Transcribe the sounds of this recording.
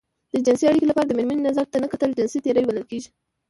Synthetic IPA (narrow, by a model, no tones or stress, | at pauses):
d̪̥əd͡ʒɪnsiaɽikolapɑɾad̪əmɪɾməninazaɾ̚t̪anəkat̪əld͡ʒɪnsit̪eɾəjbaləlkeʒi